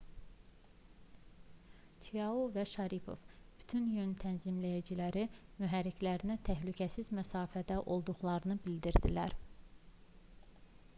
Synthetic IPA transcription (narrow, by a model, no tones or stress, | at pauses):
t͡ʃ̪ʰijɑuvæʃɑɾipʰo̞̰vb̥y̥t̪ʰynjønt̪ʰænzimlæjæd͡ʒilæɾimyɦæɾːicʰlæɾinæt̪ʰæɦlycʰæsizmæsɑːfæd̪æʔo̞lˠd̪uɣlˠɑɾɯnɯbild̪iɾd̪ḭlæɾ